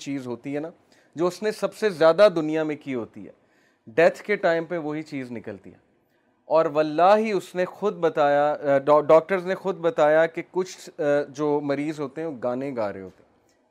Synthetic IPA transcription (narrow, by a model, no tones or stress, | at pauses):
t͡ʃiːzɦoːt̪iɦɛːnaː | d͡ʒoːʊsnesɐbsezjaːd̪ad̪ʊnijamẽkiɦoːt̪ḭɦɛ̰ː | ɖɛt̪ʰkeʈaːɪmpɐɾʋoɦit͡ʃiːznɪkəlt̪ḭɦɛ̰ː | ɔːɾʋɐlːaːɦiʊsnexʊd̪̚bɐt̪aːjaɖɔːk̚ʈəɾznexʊd̪̚bɐt̪aːjakekʊt͡ʃʰd͡ʒoːmɐɾiːzɦoːt̪eɦɛ̃oɡaːnẽɡaːɾḛ̃ɦo̰ːt̪eɦɛ